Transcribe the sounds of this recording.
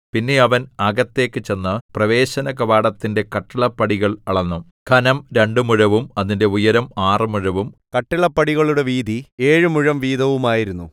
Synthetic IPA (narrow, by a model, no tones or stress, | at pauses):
pinːe̞ɐʋɐnɐɡɐt̪ːe̞ːkːɨt͡ɕe̞nːɨprɐʋe̞ːɕɐnɐkɐʋaːɽɐt̪ːinde̞kɐʈːiɭɐpːɐɽiɣɐɭɐɭɐnːum | kʰɐnɐmɾe̞ɳɖɨmuɻɐʋumɐðinde̞ujɐɾɐmaːrɨmuɻɐʋumkɐʈːiɭɐpːɐɽiɣɐɭuɽe̞ʋiːd̪ʱieːɻɨmuɻɐmʋiːd̪ɐʋumaːjiɾunːu